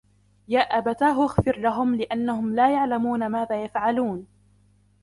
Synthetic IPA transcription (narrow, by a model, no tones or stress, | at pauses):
jaːʔabat̪aːɦʔaxfɪɾlaɦʊmlɪʔanːahʊmlaːjaʕlamuːnamaːðaːjafʕaluːn